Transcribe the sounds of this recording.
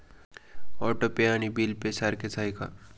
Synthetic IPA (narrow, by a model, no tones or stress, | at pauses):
ɔːʈopejaːnibilpesaɾkesʰaːjka̰